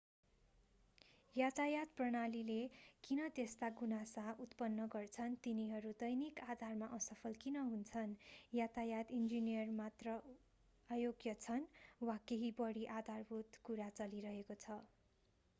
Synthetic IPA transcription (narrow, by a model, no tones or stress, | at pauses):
jatajad̪̚prʌɽ̃alilekinʌt̪est̪aɡunasaut̪pʌnːʌɡʌrt͡sʰʌnt̪iniɦʌɾud̪ʌjnikad̪ʱarmaʔʌsʌpʰʌlkinʌɦunt͡sʰʌnjat͡sajad̪ind͡zinijʌrmat̪rʌ | ajoɡjʌt͡sʰʌnwakeɦibʌɽiʔad̪ʱarbʱut̪kuɾat͡sʌliɾʌɦekot͡sʰʌ